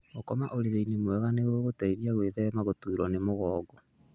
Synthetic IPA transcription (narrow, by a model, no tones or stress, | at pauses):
okɔmaʔoɾeɾeinemwɛɣaneɣoɣotaiɾiaɣweðɛmaɣotuiɾɔnemoɣɔːɡɔ